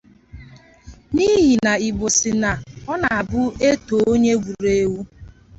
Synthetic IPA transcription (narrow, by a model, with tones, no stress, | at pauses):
ni˦ɦi˨na˨i˨bo˨sɪ˨na˨ɔ˦na˨a˨bʊ˦e˦to˨o˦ɲe˦ɡʷu˨ɾe˦wu˦